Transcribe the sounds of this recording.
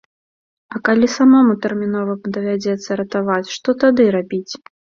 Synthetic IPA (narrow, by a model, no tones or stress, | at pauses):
ɐkalʲisamɔmut̪ɛrmʲinɔvɐd̪ɐvʲad͡zʲɛt̪sːɐɾɐt̪avat͡sʲʂt̪ɔt̪ad̪ɨɾabʲit͡sʲ